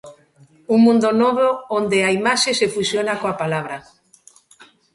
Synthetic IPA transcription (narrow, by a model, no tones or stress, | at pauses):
uŋmũnd̪onoβoond̪eaimaʃesefusjonakoapalaβ̞ɾa